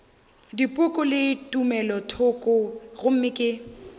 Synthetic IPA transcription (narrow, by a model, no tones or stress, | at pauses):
dipʼʊkʼʊlɪtʼumɛlɔtʰʊkʼʊɣʊm̩mɪkʼɪ